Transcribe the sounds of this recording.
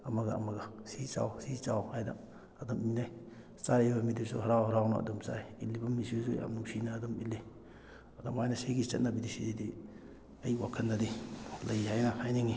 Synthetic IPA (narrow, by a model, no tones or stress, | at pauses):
ɐmɐɡa̰ːmɐɡɐsit͡ʃa̰wsit͡ʃawhajda̰ | ɐdominaj | saɾibɐmidisṵɦɐɾawhɐɾawna̰ɐ̰dɔmsa̰jilːibɐmːisisuja̰mnuŋsinaːdomilːi | ɐdomhajnɐseɡit͡ʃɐ̰t̚nabidisididi | ɐjwakʰɐnːadilɐjhajnɐhajniŋi